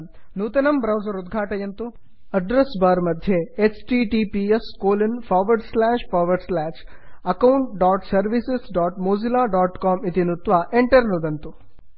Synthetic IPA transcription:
nuːt̪ɐnɐmbɾɐwsɐɾud̪ɡʱaːʈɐjɐnt̪u | ɐɖɾɐsbaːɾmɐd̪ʱjeet͡ʃʈiʈiːpieskoːlɐnpʰaːʋɐɾɖslaːʃpʰaːʋɐɾɖslaːʃɐkɐwuɳʈɖaːʈsɐɾʋisesɖaːʈmoːd͡ʒilaːɖaːʈkaːmit̪inut̪ʋaʔeɳʈɐɾnud̪ɐnt̪u

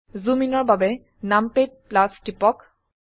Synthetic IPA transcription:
zuminɔɹbabɛ | nampet̚plastipɔk

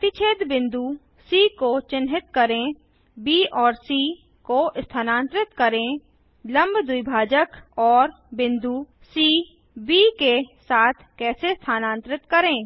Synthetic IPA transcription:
ət̪ɪt͡ʃʰeːd̪bɪ̃nd̪u | siːkot͡ʃɪnɦɪt̪kəɾẽ | biːɔːɾsiː | koʔɪst̪ʰaːnãːnt̪ɾɪt̪kəɾẽ | lə̃mbd̪ʊibʱaːd͡ʒəkɔːɾ | bɪ̃nd̪u | siː | biːkesaːt̪ʰkɛːsest̪ʰaːnãːnt̪ɾɪt̪kəɾẽː

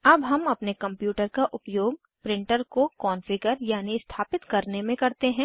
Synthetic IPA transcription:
ɐbɦɐmɐpnekɐ̃mpjuːʈəɾkaʔʊpjoːɡ | pɾɪ̃ɳʈəɾkokɔːnfɪɡəɾjaːnist̪ʰaːpɪt̪kɐɾnemẽkɐɾt̪eɦɛ̃ː

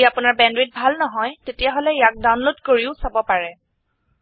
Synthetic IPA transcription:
iapʊnaɹbɛndɹit̚bʱalnɔɦɔjtetijaɦolɛjak̚dawnlodkoɹiʊsabɔpaɹɛ

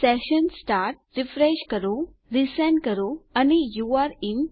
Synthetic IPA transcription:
sɛɕənsʈaɾʈ̚ɾifɾeɕkəɾũ | ɾisɛ̃nkəɾuanijuaɾim

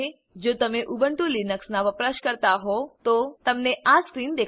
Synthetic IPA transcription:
e | d͡ʒot̪əmeʔubəɳʈulinəksnaʋəpɾaʃkəɾt̪aɦot̪ot̪əmneʔaskɾind̪ek

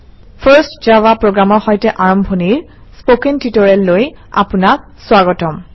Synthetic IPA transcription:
pʰəɹstzawapɹoɡɹamɔɹxɔjtɛʔaɹɔmbʱɔniɹ | spokɛntitɔɹɛlːoja̰punak̚ | swaɡɔtɔm

